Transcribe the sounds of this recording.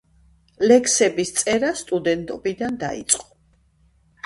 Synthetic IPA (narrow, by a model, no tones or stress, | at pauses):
lɛkʰsɛbist̪sʼɛɾast̪ʼud̪ɛnt̪ʼɔbid̪and̪a̰ḭt̪sʼqʼɔ̥